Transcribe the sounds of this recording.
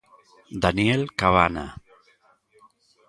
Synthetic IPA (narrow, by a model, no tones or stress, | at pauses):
d̪anielkaβana̰